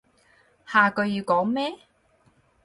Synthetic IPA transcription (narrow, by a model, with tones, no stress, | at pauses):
haː˨kɵ˧ɥjiː˧wkɔː˨˥ŋmɛː˥